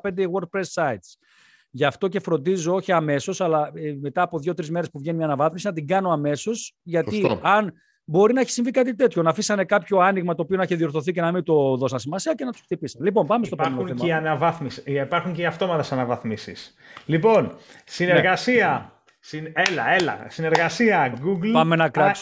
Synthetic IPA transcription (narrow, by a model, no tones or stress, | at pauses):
pend̪ewoɾɡ̚pɾesːɐjt̪s | ʝɐft̪o̞ce̞fɾo̞nd̪izo̞o̞çiɐme̞so̞sɐlɐme̞t̪ɐːpo̞ðʝo̞t̪ɾizme̞ɾespuvʝe̞niiɐnɐvɐθmisinɐt̪iɡɐno̞ɐme̞so̞sʝɐt̪iɐn | bo̞ɾinɐeçi̥siɱvikɐt̪̬it̪e̞t̪ço̞nɐːfisɐnekɐpço̞ɐniɣmɐt̪o̞ːpionɐiçeðio̞ɾθo̞θice̞nɐmint̪o̞ðo̞sɐnsimɐsiɐce̞nɐt̪u̥skt̪ipisɐnlipo̞mpɐmest̪opomenoeɐeiɐnɐvɐθmisipɐɾxuɲceiɐft̪o̞mɐt̪ɐsɐnɐvɐθmisḭs | lipo̞nsineɾɣɐsiɐ | sinelɐelɐ̰sineɾɣɐsiɐɡuɡlpɐmenɐkɾɐs